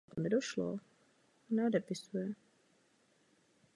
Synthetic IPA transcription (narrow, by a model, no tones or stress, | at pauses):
konɛdoʃlo̰ | nɛodɛpɪsujɛ